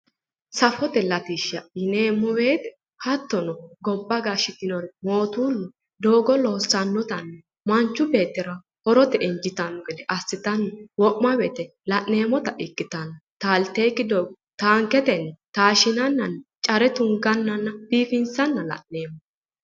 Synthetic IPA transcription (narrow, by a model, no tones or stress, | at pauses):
sɐfɔt̪ɛlɐt̪iʃːɐɪneːmːɔweːt̪ɛ̥ | hɐt̪ːɔnɔɡɔbːɐɡaʃɪt̪ɪnɔɾɛmo̞ːt̪uːnːɛ | d̪o̞ːɡɔloːsːɐnːɔt̪ɐnːɛ | mɐnt͡ʃːʊbe̞ːt̪ːɪɾɐ | hɔɾɔt̪ɛʔɪnd͡ʒɪt̪ɐnɔɡɛd̪ɛʔɐsːɪt̪ɐnːɛwɔʔmɐbeːt̪ɛ | lɐʔne̞ːmɔt̪ɐʔɪkːɪt̪ɐnːɔt̪aːlt̪eːkːɪd̪oːɡɔ | t̪aːŋkɛt̪ɛnːɛt̪aːʃɪnɐnːɐnːt͡ʃʼɐɾɛt̪ʊŋɡɐnːɐnːɐb̥iːfɪnsɐnːɐlɐ̰ʔneːmɔ